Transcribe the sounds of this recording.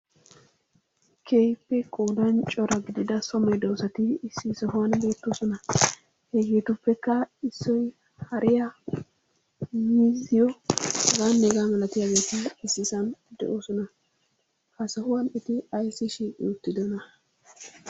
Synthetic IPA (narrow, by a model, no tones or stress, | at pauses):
kʰeːjpːɛkʼoːd̪ɐnt͡ʃʼɔɾɐɡɪd̪ɪd̪ɐsɔmɐjd̪ɔwsɐt̪ɪsːisɔhʊwɐnbe̞ːt̪ːoːsɔnɐ | heɡeːt̪ʊpːɛkːɐɪsːɔj | hɐɾʔɪja | miːzɪjɔɐɡaːnːeːɡaːmɐlɐt̪ɪjaɡe̞ːt̪ɪːsːɪsɐnd̪ɛ̰ʔoːsɔnɐ | kɐsɐhʊwɐnɪt̪ɪɐjsːɪʃiʔʊt̪ːɪd̪ɔnɐ